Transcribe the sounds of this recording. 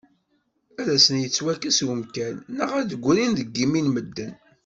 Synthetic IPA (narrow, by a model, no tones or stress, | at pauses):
æðæsənjət͡sːwækəswəmkænːəʁæðəɡʷːɾinðəɡːiminməd̪ːən